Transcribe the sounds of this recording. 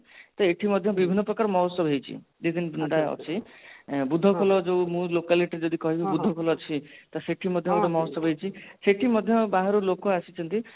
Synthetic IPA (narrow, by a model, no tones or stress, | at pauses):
t̪ɔeʈʰimɔd̪ʱjɔbibʱinːɔpɾɔkaɾɔmɔɦɔsɔbʱɦejt͡ʃʰḭd͡ʒid̪inɖ̪aɔ̰t͡ʃʰi | bud̪ʱɔkʰɔlɔd͡ʒeumũlokaliʈd͡ʒɔd̪ikɔɦibibud̪ʱɔkʰɔlɔt͡ʃʰit̪ɔseʈʰimɔd̪ʱjɔ̃ʈɔmɔɦɔsɔbʱejt͡ʃʰiseʈʰimɔd̪ʱjɔbaɦaɾulokɔasit͡ʃʰɔnt̪i